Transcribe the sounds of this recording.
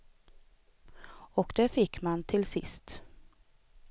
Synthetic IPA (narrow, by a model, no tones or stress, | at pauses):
ɔkd̪ɛːfɪkːmant̪ʰɪlsɪ̰st̪